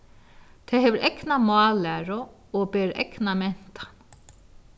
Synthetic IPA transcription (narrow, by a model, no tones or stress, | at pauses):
t̪ʰɛɦɛːʋəɾʔɛknamɑːlæːɾʊ | ɔbɛːɾɛ̰knamɛn̥t̪ḁ